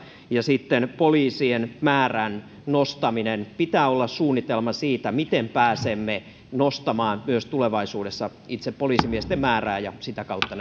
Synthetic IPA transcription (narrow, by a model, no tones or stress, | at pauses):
jɑsit̪ːenpoliːsienmæːræn | nost̪ɑminenpit̪æːolːɑssuːnːit̪elmɑsiːt̪æmit̪empæːsemːe | nost̪ɑmɑːnmyøst̪uleʋɑisuːdesːɑ | it̪seppoliːsimiest̪emmæːræːjɑsit̪ækɑut̪ːɑn